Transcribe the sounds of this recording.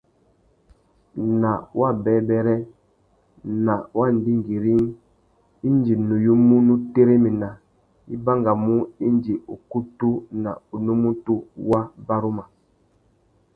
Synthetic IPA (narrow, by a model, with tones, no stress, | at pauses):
na˨wʔa˦bɛ˨˦bɛ˦ɾɛ˦ | na˨wʔa˦n˦di˦ŋ˨ɡi˨ɾi˦ŋ | i˦n˦d͡ʒi˨nu˨ju˦mu˦nu˦te˦ɾe˦mi˨na˨ | i˦ba˦ŋɡa˨mu˦i˦nd͡ʒi˨u˨ku˦tu˦na̰˨u˨nu˦mu˦tu˦wa˦ba˦ɾu˦ma˨